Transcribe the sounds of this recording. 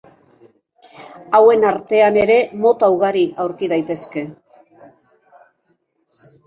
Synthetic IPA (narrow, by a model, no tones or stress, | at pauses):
awe̞naɾt̪e̞ane̞ɾe̞mo̞t̪awɣ̞aɾiʔawɾkið̞ajt̪e̞ske̞